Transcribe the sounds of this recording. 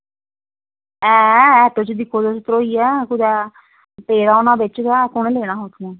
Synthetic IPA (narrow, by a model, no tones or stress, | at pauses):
ɛːɛːt̪oːt͡ʃd̪ɪkʰːoːd̪ost̪ɾoːiːɛːkʊd̪ɛː | peːɾaːonãːbɪt͡ʃɡɛːkʊɳleːɽ̃aːɦoːt̪ʰː